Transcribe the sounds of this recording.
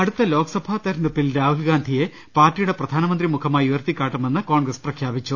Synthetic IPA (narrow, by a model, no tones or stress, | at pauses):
ɐɽut̪ːɐlo̞ːkɐsɐbʱaːt̪ɐɾɐnupːilɾaːhulɡaːnd̪ʱije̞ | paːrtːijuɽe̞prɐd̪ʱaːnɐmɐnd̪rimukʰɐmaːjuʋɐrt̪ikʲːaːʈːɐme̞nːɨko̞ːɳɡrɐsprɐkʰjaːbit͡ɕːu